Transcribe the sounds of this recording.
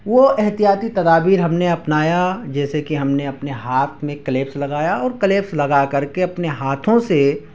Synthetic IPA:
ʋoɛɦt̪ijaːt̪it̪ɐd̪aːbiːɾɦɐmneɐpnaːjad͡ʒɛːsekiɦɐmneɐpneɦaːt̪ʰmẽkɐleːpslɐɡaːjaɔːɾkɐleːpslɐɡakɐɾkeɐpneɦaːt̪ʰõse

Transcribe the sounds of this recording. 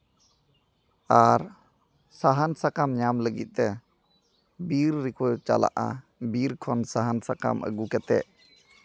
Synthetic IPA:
aɾ | saɦansakamɲamləɡḭt̪̚t̪ɛ | biɾːikʰɔt͡ʃa̰la̰ʔa̰ | biɾkʰɔnsaɦansaka̰mʔə̰ɡukɛt̪ɛ̰ʔ

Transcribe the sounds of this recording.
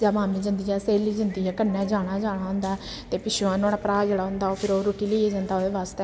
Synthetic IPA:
d͡ʒaːmaːmiːd͡ʒənd̪iːɛːseːliːd͡ʒənd̪iːɛːkənːɛ̃ːd͡ʒaːɽ̃aːd͡ʒaːɽ̃aːɦʊ̃nd̪aː | t̪eːpɪʃuãːnõːɽaːpɾaːd͡ʒəɽaːɦʊ̃nd̪aːoːpʰɪɾoːɾoːʈiːliːeːd͡ʒãnd̪aːoːd̪eːʋaːst̪eː

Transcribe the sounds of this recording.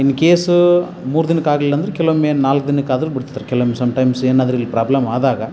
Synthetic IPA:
inːikeːsu | muːɾud̪inɐkaːɡɐlilːɐnd̪ɐɾekɛloːmeːnaːlkd̪inɐkaːd̪ɐɾubiɽt̪it̪ːaɾekɛloːmesɐmʈɐjmseːnaːd̪ɐɾilːipɾaːblɐmaːd̪aːɡɐ

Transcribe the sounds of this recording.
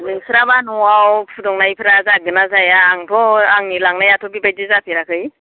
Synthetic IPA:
nɯŋsɯɾabanɔwawpʰudɔŋnajpʰɯɾazak̚dɯnazajaːŋpʰɔaŋnilaŋnajatʰɔbibajdɯzapʰiɾakʰɯj

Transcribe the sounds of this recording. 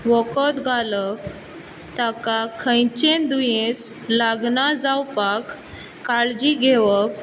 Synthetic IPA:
ʋɔkət̪ɡʱalək | t̪akakʰə̃jt͡ɕẽnd̪ujẽs | laɡnad͡zawpakː | aɭd͡ʑiɡʱeʋək

